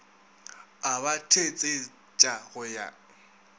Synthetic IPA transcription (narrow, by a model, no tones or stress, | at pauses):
abatʰet͡sʼe | t͡ʃʼaɣʊja̰